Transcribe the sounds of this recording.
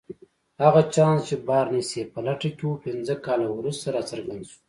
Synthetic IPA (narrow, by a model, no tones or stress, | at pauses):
haɣat͡ʃɑ̃ːnst͡ʃebɑːɾnisepəlaʈakʲewupinzəkɑːlawɾust̪aɾat͡səɾɡand̪su̥